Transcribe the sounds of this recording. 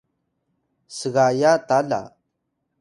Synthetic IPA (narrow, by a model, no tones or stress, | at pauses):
sɨɣajat̪ala̰